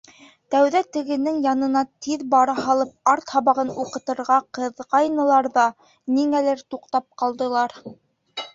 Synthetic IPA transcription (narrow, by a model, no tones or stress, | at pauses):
t̪æwðæt̪ɘ̆ɡɘ̆nɘŋjɑnɤ̆nɑt̪iðbɑɾɑɦɑlˠɤp̚ɑɾt̪hɑβɑʁɤnuqɤ̆t̪ɤ̆ɾʁɑqɤ̆ðʁɑjnɤ̆lˠɑɾðɑ | niŋælɘɾt̪uqt̪ɑp̚qɑlˠd̪ɤ̆lˠɑɾ